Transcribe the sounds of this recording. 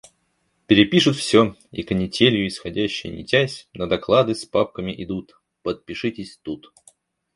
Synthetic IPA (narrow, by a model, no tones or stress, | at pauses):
pʲɪɾʲɪpʲiʂʊt̪fsʲoḭkənʲɪtʲelʲjʊɪsxɐdʲæɕːɪjə̰nʲɪ̰tʲæsʲnəd̪ɐklˠad̪ɨspap̚kəmʲɪʔɪd̪ut̪ | pət̪̚pʲɪʂɨtʲɪsʲt̪ut̪